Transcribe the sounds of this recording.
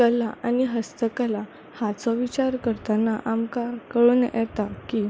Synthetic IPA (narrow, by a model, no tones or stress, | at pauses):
kəlaʔaniɦəst̪əkəla | hat͡sɔʋit͡ɕaɾkəɾt̪anaʔamkakəɭuːnjɛ̰t̪akiː